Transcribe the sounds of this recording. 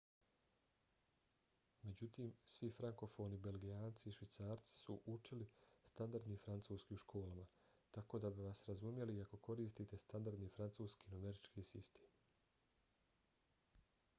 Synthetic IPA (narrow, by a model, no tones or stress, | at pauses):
me̞d͡ʑut̪iːmsʋifɾaŋko̞fo̞ːnibe̞lɡijaːnt̪siːʃʋit̪saːɾt̪si̥suʔut͡ʃilist̪and̪aɾd̪nifɾant̪suːskiːuʃkʰo̞ːlama | t̪ako̞ːd̪abiʋasɾazumje̞liako̞ko̞ɾiːst̪iːt̪e̞st̪and̪aɾd̪nifɾant̪suːskiːnomeɾit͡ʃkiːsist̪eːm